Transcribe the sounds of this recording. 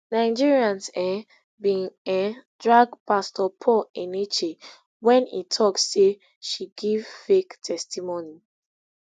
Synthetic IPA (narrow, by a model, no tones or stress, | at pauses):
nãɪd͡ʒiɹiãnsɛ | bĩŋɛ̃dɹaɡpastɔpʰɔɛnet͡ʃe | wɛ̃nḭtʰɔksːe | ʃiɡiv̥fektʰɛstimoni